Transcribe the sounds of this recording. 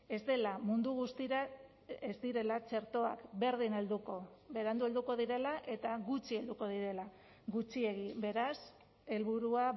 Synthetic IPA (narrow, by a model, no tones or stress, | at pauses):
e̞zd̪e̞lamund̪uɣ̞ust̪iɾa | ezd̪iɾe̞lat͡ʃe̞ɾt̪o̞a̰kbe̞ɾðine̞ld̪uko̞beɾand̪ue̞ld̪uko̞ðiɾe̞laʔe̞t̪aɣut͡ʃie̞ld̪uko̞ðiɾe̞la | ɣut͡ʃie̞ɣ̞ibe̞ɾas | e̞lβuɾua